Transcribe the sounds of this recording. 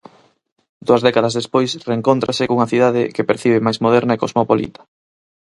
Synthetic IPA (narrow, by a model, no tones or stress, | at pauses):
d̪uɐzðɛkaðɐzðespojsreːŋkont̪ɾasekuŋɐθiðaðɪkepeɾθiβ̞emajzmoðɛɾnɐekozmopolḭt̪ɐ̥